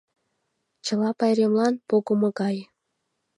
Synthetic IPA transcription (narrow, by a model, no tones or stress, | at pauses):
t͡ɕə̆lɑpɑjɾʲemlɑnpoɣəmŏɣɑj